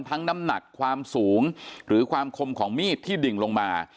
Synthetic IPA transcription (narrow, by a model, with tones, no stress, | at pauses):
nt̪ʰa˦˥ŋna˦˥mna˨˩kʰːwaː˧msuː˩˦ŋɾɯː˩˦kʰwaː˧mkʰo˧mkʰɔː˩˦ŋmiː˥˩t̪ʰːiː˥˩di˨˩ŋlo˧ŋmaː˧